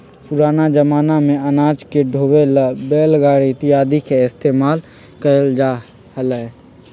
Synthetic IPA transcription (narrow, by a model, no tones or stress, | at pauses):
pʊɾaːnad͡ʒəmaːnamẽɐnaːd͡ʒkeɖʱoːwelbeːlɡaːɽit̪ɪjaːd̪ikeɪst̪eːmaːl | kəɾəld͡ʒaː | hələ